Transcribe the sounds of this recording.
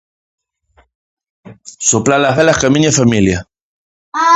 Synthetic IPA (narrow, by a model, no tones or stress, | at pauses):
soplalaβelahkamiɲefamilja